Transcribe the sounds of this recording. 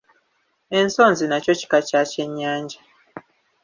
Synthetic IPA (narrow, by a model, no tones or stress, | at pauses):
e̞nsoːnzinaco̞ci̥kacace̞ɲːaːɲɟa